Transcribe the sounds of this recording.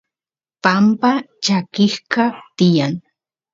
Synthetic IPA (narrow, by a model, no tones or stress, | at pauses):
pampa | t͡ʃakɪhkɑt̪ɪjaŋ